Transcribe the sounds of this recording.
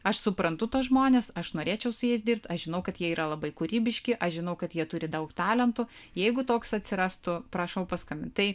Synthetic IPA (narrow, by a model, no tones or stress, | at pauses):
ɐʃsʊpɾɐnt̪ʊt̪oːsʒmoːnʲeːsɐʃnoːɾʲeːt͡ʃʲɛʊsʊjɛs̬d̪ʲiɪrp̚t̪ɐʃʒʲɪnɐʊkɐt̪jiɛiːɾʔɐlˠɐbɐɪkʊɾʲiːbʲɪʃʲkʲɪʔɐʃʒʲɪnɐʊkɐt̪jiɛt̪ʊɾʲɪd̪ɐʊkt̪ɑːlʲɛnt̪ʊ | jɛɪɡʊt̪oːksɐt̪ʲsʲɪɾɑːst̪ʊpɾɐʃɐʊpɐskɐmʲɪnt̪t̪ɐɪ